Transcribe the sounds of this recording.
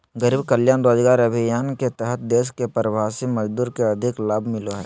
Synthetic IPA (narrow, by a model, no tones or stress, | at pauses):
ɡəɾiːbkəljaːnɾoːd͡ʒɡaːɾɐbʱɪjaːnket̪ɛɦət̪̚d̪eːskepɾəbʱaːsiməd͡ʒd̪uːɾkeɐd̪ʱɪklaːbʱmɪloɦɛ̰ː